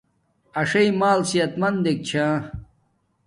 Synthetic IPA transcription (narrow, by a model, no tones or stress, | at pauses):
ɐʂɐjmaːlsiɐt̪mɐnd̪ek̚t͡ɕʰãː